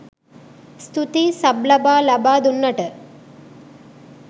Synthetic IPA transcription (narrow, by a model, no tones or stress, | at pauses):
st̪ut̪isɐblɐbaːlɐbaːd̪unːɐʈə